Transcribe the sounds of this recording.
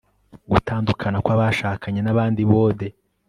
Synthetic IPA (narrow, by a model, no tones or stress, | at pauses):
ɡutaːndukʰanakwaβaʃaːkʰaɲe̞naβaːndiβoːde